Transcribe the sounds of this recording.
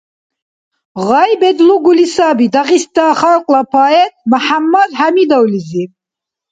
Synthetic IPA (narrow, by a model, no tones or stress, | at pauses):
ʁajbɛd̪luɡulisaːbid̪aʁisd̪aːχalqʼlapʰaɛt̪̚məħamːad̪hamid̪ɔwlizi